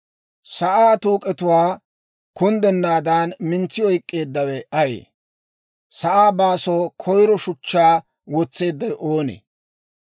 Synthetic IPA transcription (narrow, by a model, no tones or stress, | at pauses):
sɐʔaːt̪uːkʼɛt̪ʊwaː | kʊnd̪ɛnːaːd̪aːnmɪnt͡sːɪɔjkʼːe̞ːd̪ːɐwɛɐjḛː | sɐʔaːbaːsɔːkʰɔjɾɔʃʊt͡ʃːaː | wɔt͡sːe̞ːd̪ːɐjʔoːnḛ